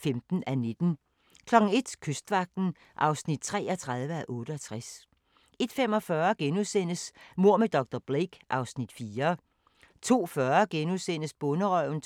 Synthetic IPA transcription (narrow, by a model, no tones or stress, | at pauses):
femd̥n̩æne̝d̥n̩ | kʰlɒ̽ɡ̥ŋ̩e̝d̥kʰøsd̥ʋɑ̈ɡ̥̚d̥n̩ | ʔɑ̈ʊsnid̥t͡sʰʁɛ̰ːɒt͡sʰʁɑ̈ð̞ˠʋəæʔɔ̽ːɾ̥əɒt͡sʰʁas | e̝d̥fem̰ɒ̽fɶːɐɡ̥enuðˠsen̰əsmo̝ɐ̰med̥ɒ̽ɡ̥̚d̥ɒb̥ʁeɡ̥ʔɑ̈ʊsnid̥fiːɐ | t͡sʰo̝̰ːfɶɐɡ̥enuðˠsen̰əsb̥ɔ̽nəʁɒʊ̰n̩